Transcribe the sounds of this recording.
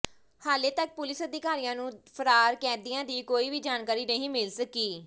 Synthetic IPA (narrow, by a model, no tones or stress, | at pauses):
haːleːt̪ək̚pʊlɪsəd̪ɪkaːɾiːãːnũːpʰəɾaːɾkɛːd̪ijãːd̪iːkoːiːʋiːd͡ʒaːnkaːɾiːnəɦĩːmɪlsəkiː